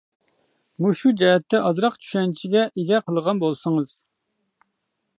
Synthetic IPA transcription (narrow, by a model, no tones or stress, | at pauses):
muʃud͡ʒɛɦɛt̪ʰːɛʔɑzɾɑqt͡ʃʰy̥ʃɛnt͡ʃʰiɡʲɛʔeɡʲɛqʰəlˠəʁɑnbolˠsəŋɨz̥